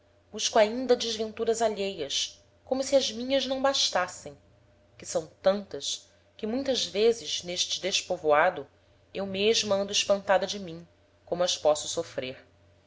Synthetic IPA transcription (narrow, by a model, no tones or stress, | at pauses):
b̥uʃkuaĩnd̪ɐd͡ʒɪʒvẽnt̪uɾɐzaʎejɐs | kõmʊsiɐzmĩɲɐznɐ̃w̃baʃt̪asẽj̃ | kɪsɐ̃w̃t̪ɐ̃nt̪ɐʃ | kɪmũj̃t̪ɐzvezɪzneʃt͡ʃɪd̪eʃpovoad̪ʊ | ewmeʒmuɐ̃nd̪ʊɪʃpɐ̃nt̪ad̪ɐd͡ʒɪmĩŋ | kõmʊɐʃpɔsʊ̥sofɾeɾ